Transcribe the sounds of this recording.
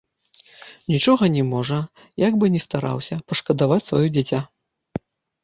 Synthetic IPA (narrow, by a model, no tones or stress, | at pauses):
nʲit͡ʂɔɣɐnʲɛmɔʐɐ | jaɡbɨnʲɛst̪aɾa̰wsʲɐpɐʂkɐd̪avat͡sʲsvajud͡zʲat͡sʲa